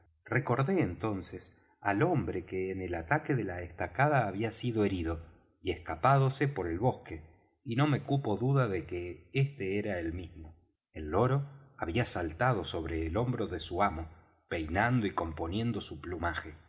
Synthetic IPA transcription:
reko̞ɾðe̞ːnt̪o̞nses | alo̞mbɾekeːnelat̪akeðelaest̪akaðaːβiasiðo̞e̞ɾiðo̞ | ieskapað̞osepo̞ɾe̞lβo̞hke | ino̞me̞kupo̞ðuðaðekeest̪eeɾaelmizmo̞ | elːo̞ɾo̞aβiasalt̪aðoso̞β̞ɾeːlo̞mbɾo̞ðesuamo̞ | pe̞jnand̪oiko̞mpo̞nje̞nd̪o̞suplumaxe

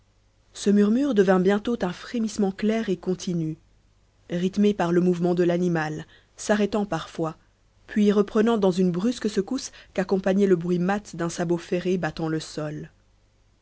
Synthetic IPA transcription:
səmyʁmyʁd̪əvɛ̃bjɛ̃t̪ot̪ɛ̃fχemismɑ̃klɛʁekɔ̃t̪ʰiny | ʁit̪mepaʁləmuvmɑ̃d̪əlanimal | saʁɛt̪ɑ̃paʁfwa | pʰɥiʁəpχənɑ̃d̪ɑ̃zynbʁyskəsəkuskakɔ̃paɲɛləbʁɥimat̪d̪ɛ̃sabofeʁebat̪ɑ̃ləsɔl

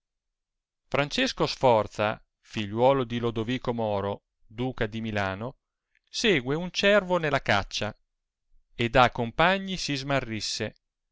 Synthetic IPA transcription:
fɾant͡ʃeskosfɔrt̪sa̰ | fiʎːwɔːlod̪ilod̪oviːkomɔːɾo | d̪uːkad̪imilaːno | seːɡweunt͡ʃɛrvonelːaka̰t͡ʃːa | ed̪akːompaɲːisizmarːisːe

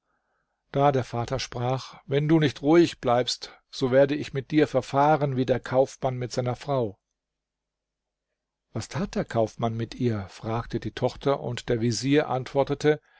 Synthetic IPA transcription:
d̥aːdeːɐfaːtɐʃpʁ̥aːχvɛnduːnɪçtʁuɪçb̥laɪpst | z̥oːveːɐdəɪçmɪt̚d̥iːɐfɛɐfaːʁənviːdeːɐkʰaʊfmanmɪtz̥aɪnɐfʁ̥aʊ | vastʰaːt̚d̥eːɐkʰaʊfmanmɪtʔiːɐfʁ̥aːktədiːtʰɔχtʰɐʔʊ̰ntd̥eːɐviziːɐʔa̰ntv̥ɔɐtətʰə

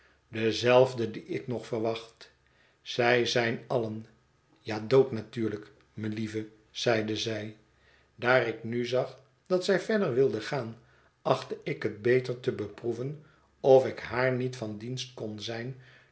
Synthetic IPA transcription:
dəzɛlˠvdədiɪknɔχfəɹʋɑχt | z̥ɛjzɛjnɑlən | jaːdowtnatyːɹlək | məlivə | z̥ɛjdəzɛj | daːrɪknyzɑχ | d̥ɑtsɛjvɛɹdəɹʋɪlˠdəχaːn | ɑχtəɪkɦət̚bejtəɹtəbəpruvən | ɔfɪkɦaːɹnitfɑndinst̚kɔnzɛjn

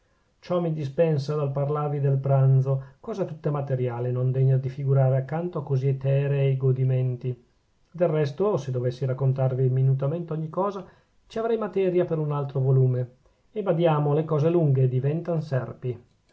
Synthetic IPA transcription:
t͡ʃɔmid̪ispɛnsad̪alparlaːvid̪elpɾand̪t̪zokɔːzat̪ut̪ːamat̪eɾjaːlenond̪eɲːad̪ifiɡuɾaːɾeakːant̪oakːoziet̪ɛːɾeːɡod̪iment̪i | d̪elrɛst̪osed̪ovesːiɾakːont̪arviminut̪ament̪eɔɲːikɔːza | t͡ʃiavɾɛjmat̪ɛːɾjapeɾunalt̪ɾovoluːme | ebad̪jaːmolekɔːzeluŋɡed̪ivɛnt̪ansɛrpi

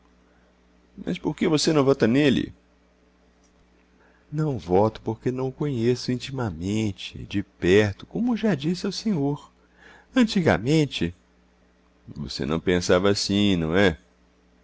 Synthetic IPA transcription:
mɐ̰spoɾkevosenɐ̃w̃vɔt̪ɐnelɪ̰ | nɐ̃w̃vɔt̪ʊ̥poɾkenɐ̃w̃kõɲesʊĩnt͡ʃimɐmẽt͡ʃɪ̰d͡ʒɪpɛɾt̪ʊ̥kõmʊʒad͡ʒisɪawsẽɲoɾ | ɐ̃t͡ʃiɡɐ̰mẽnt͡ʃɪ | vo̰sḛnɐ̃w̃pẽsavɐasĩnɐ̃w̃ɛ

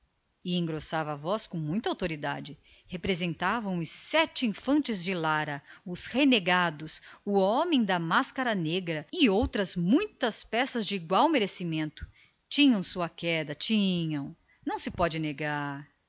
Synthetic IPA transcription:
ɪẽɡɾosavɐːvɔskõw̃mũj̃t̪ɐawt̪oɾid̪a̰d͡ʒɪ | hepɾezẽnt̪avɐ̃w̃ʊsːɛt͡ʃɪĩfɐ̃nt͡ʃɪzd͡ʒɪlaɾɐʊsheneɡad̪ʊsʊɔmẽj̃d̪ɐmaskaɾɐneɡɾɐɪowt̪ɾɐzmũj̃t̪ɐspɛsɐzd͡ʒɪiɡwawmeɾesimẽnt̪ʊ̥ | t͡ʃĩɲɐ̃w̃suɐkɛd̪ɐt͡ʃĩɲɐ̃w̃ | nɐ̃w̃sɪpɔd͡ʒɪneɡaɾ

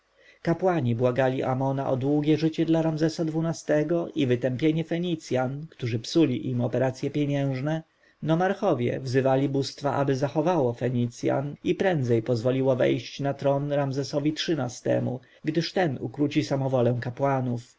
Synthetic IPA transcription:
kapwaɲibwaɡalʲiʔamɔnaʔɔd̪wuɡʲjɛʐɘt͡ɕɛd̪laɾamzɛsad̪vunast̪ɛɡɔʔivɘt̪ɛmpʲjeɲɛfɛɲit̪sʲjankt̪uʐɘpsulʲiʔimɔpɛɾat̪sʲjɛpʲjɛɲɛ̃w̃ʐnɛ | nɔmaɾxɔvʲjɛ̰vzɘvalʲibust̪faʔabɘzaxɔvawɔfɛɲit̪sʲja̰nipɾɛnd̪zɛjpɔzvɔlʲiwɔvɛ̰jɕt͡ɕnat̪ɾɔnɾamzɛsɔvʲitʂɘnast̪ɛ̰mu | ɡd̪ɘʂt̪ɛnṵkɾut͡ɕisamɔvɔlɛw̃kapwanuf

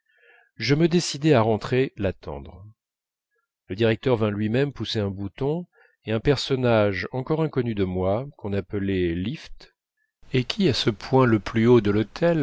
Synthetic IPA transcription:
ʒəməd̪esid̪ɛaʁɑ̃t̪χelat̪ɑ̰̃d̪ʁ | ləd̪iʁɛk̚t̪œʁvɛ̃lɥimɛmpuseɛ̃but̪ɔ̃ | eɛ̃pɛʁsɔnaʒɑ̃kɔʁɛ̃kɔnyd̪əmwakɔ̃napəlɛlift̪ | ekʲʰiasəpwɛ̃ləplyod̪əlot̪ʰɛl

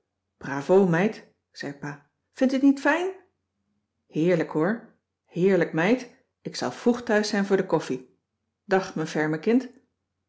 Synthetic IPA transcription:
b̥raːvowmɛjt | z̥ɛjpaː | fɪntɪtnitfɛjn | hɪːɹləkɦʊːɹ | hɪːɹləkmɛjt | ɪksɑ̰lˠv̥ruχtœɥsɛjnvʊːɹdəkɔfi | d̥ɑχmənvɛɹməkɪnt

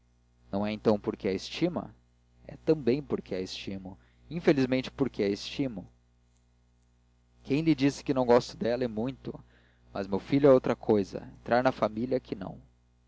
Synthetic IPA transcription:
nɐ̃w̃ɛẽnt̪ɐ̃w̃poɾkeɐest͡ʃimɐ̰ | ɛ̰t̪ɐ̃bẽj̃poɾkʰeɛest͡ʃimʊ | ĩfelizmẽnt͡ʃɪ̥poɾkeɛest͡ʃimʊ | kʰẽj̃lɪd͡ʒisɪ̥kɪnɐ̃w̃ɡɔst̪ɐd̪ɛlɐɛmũj̃t̪ʊ | mɐ̰zmewfiʎʊɛowt̪ɾɐkʰojzɐ̰ḛ̃nt̪ɾʔaɾnɐfamiliɐkʰɪnɐ̰̃w̃

